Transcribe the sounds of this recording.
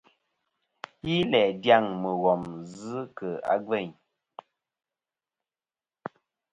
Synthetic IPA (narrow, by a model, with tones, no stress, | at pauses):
ji˦lɛ˨dja˦˨ŋmə˨ɣɔ˨mzɨ˦kə˨a̰˦ɡɛ˦˨ɲ